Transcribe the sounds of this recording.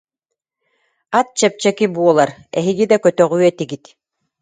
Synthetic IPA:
at̪̚t͡ɕɛp̚t͡ɕɛkibuɔlˠaɾɛɦiɡid̪akœt̪œʁyːɛt̪iɡit̪

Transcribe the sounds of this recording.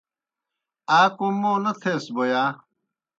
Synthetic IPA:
aːkõmoːnɐt̪ʰeːsboːjaː

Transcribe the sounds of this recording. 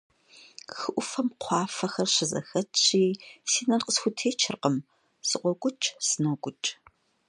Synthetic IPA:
xɨʔʷʊfɐmqʷʰɑːfɐxɐrɕɪzɐ̰xɐtʰiːsiːnɐnqəsxʷʊtʰeːt͡ʃʰɪrqəm | sɨqʷɔɡʷʊt͡ʃʼsɨnɐɡʷʼʊt͡ʃʼ

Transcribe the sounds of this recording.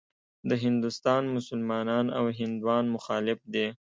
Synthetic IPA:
d̪əɦɪnd̪ʊst̪ɑnmʊsʊlmɑnɑnawɦɪnd̪wɑnmʊxɑːlɪfd̪e

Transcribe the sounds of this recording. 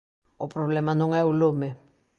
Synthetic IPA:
opɾoβlemanoŋaulome

